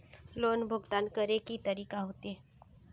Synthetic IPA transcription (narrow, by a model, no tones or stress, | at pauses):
loːnbʱʊɡt̪aːnkəɾekit̪əɾiːkaɦoːt̪iɦɛː